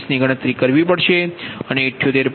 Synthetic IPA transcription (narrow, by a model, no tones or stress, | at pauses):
sniɡəɽ̃ət̪ɾikəɾʋipəɽʃeəneːʈʰːjot̪eɾ